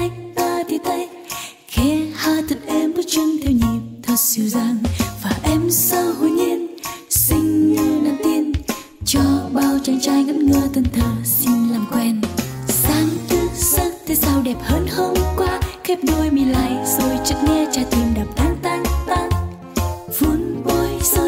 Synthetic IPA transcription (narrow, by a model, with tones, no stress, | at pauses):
ʔa˧jŋt̪aː˧˩t̪ʰi˧˩t̪ʰə˧˦j | xɛ˨˦haː˧t̪ʰə˨˩t̚ʔɛ˧mːə˨˧˦t͡ɕə˧nt̪ʰɛ˧wɲi˨˩mt̪ʰə˨˩t̚si˧˩əwzaː˧ŋvaː˨˩ʔɛ˧msə˧whu˧˩˦ɲi˧nsï˧ŋ̟ŋɨ˧naː˧˩mt̪i˧ən | t͡ɕɔ˧ɓaː˧˩wt͡ɕa˨˦ŋt͡ɕaː˧jɣə˧˦nŋɨ˧t̪ə˧˩nt̪ʰəː˨˩si˧nlaː˨˩mkwɛ˧˩n | saː˨˦ŋt̪ɨ˧˦sə˧˥t̪ʰe˧saː˧wɗɛ˨˩p̚həː˧˥nhə˧wmkwaː˧˥xɛ˦˥p̚ɗo˧jmi˨˩la̰ː˧˨jzo˨˩jt͡ɕə̰˧˨t̚ŋɛ˧t͡ɕaː˧˩t̪ʰi˨˩mɗaː˨˩p̚t̪ʰaː˨˦ŋt̪a˧˦ŋt̪a˧˦ŋ | vu˧˦nʔo˧˩jso˧